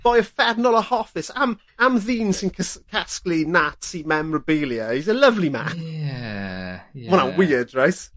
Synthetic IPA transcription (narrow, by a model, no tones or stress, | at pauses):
b̥ɔjəfɛrnɔlˠəhɔfɪsam | amðiːnsɪnkʰskʰasklinatʰimɛmɹəbelˠjəizələvlima̰k | wɔnawɪədɹajs